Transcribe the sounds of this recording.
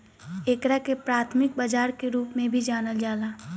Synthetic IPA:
eːkɾakepɾaːt̪ʰmɪk̚bad͡ʒaːɾkeɾuːpmẽbʱid͡ʒaːnəld͡ʒaːlaː

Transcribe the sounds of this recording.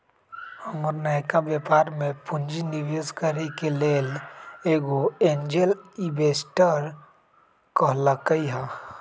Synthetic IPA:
əŋəɾnəkabjepaːɾmẽpʊɲd͡ʒiniʋezkəɾekeleːleːɡoẽːɲd͡ʒelibeːsʈəɾ | kəɦlakəiɦa

